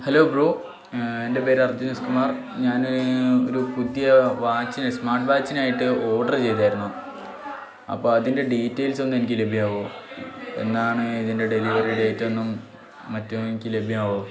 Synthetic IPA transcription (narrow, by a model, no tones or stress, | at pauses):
hɐlo̞ːɡruː | e̞nde̞pe̞ːɾɐrd͡ʑuneskumaːr | ɲaːnoɾupud̪jɐʋaːt͡ɕːinsmaːʈʋaːt͡ɕːinaːjiʈːɨo̞ːɖɐrt͡ɕe̞jt̪aːjiɾunːu | ɐ̰pːo̞ːɐðinde̞ɖiːtːɐjlso̞nːue̞nikʲːɨle̞bʱijaːʋo | e̞̰nːaːɳɨiðinde̞ɖe̞liʋɐriɖeːtːo̞nːumː | ɐtːnikʲːɨle̞bʱijaːʋo